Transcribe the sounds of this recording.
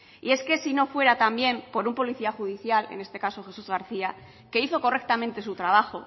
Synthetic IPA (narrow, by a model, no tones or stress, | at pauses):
ie̞ske̞sino̞fwe̞ɾat̪ambje̞mpo̞ɾumpo̞liθiaxuðiθjale̞̰ne̞st̪e̞kaso̞xe̞suzɣaɾθia | ke̞iθo̞ko̞re̞k̚t̪amẽnt̪e̞sut̪ɾaβ̞axo̞̰